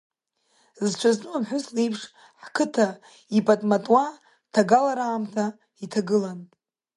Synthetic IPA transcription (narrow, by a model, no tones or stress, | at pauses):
zt͡ʃʷʰaznʼɨamħʊslijpʰʂ | ħkʰɨtʰa | ipʼatʼmatʼwa | tʰaɡalaɾaːmtʰa | itʰaɡɨlan